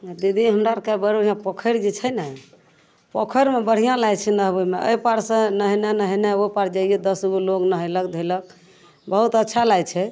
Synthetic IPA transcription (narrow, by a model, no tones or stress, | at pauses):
d̪id̪ʱiɦəmɾaɾkabəɾuijãpɔkʰəɾd͡ʒit͡ʃʰəjnɛ | pɔkʰəɾmebəɽ̤ijãlajt͡ʃʰɛnəɦbəmeə̰ipaɾsə̃nəɦənenəɦəneopaɾd͡ʒajed̪əsɡuloɡnəɦəjləkd̪ʱelək̚ | bəɦut̪ətːʃʰalajt͡ʃʰɛ